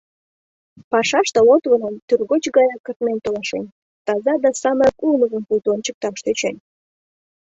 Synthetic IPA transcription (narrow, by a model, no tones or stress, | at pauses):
pɑʃɑʃt̪əlot̪vənənt̪yrɣot͡ɕɣɑjɑkːərt̪ment̪olɑʃḛn | t̪ɑzɑd̪ɑsɑmɑkulməɣəmpult̪uont͡ɕək̚t̪ɑʃt̪øt͡ɕen